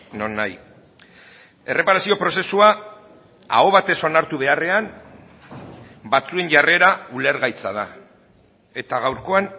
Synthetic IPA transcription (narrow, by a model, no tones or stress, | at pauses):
no̞nːaj | e̞re̞paɾasio̞pɾo̞se̞sua | a̰o̞βat̪e̞so̞naɾt̪uβ̞e̞are̞an | bat͡sue̞nʝare̞ɾaule̞ɾɣajt͡sað̞a | e̞t̪aɣ̞awɾko̞an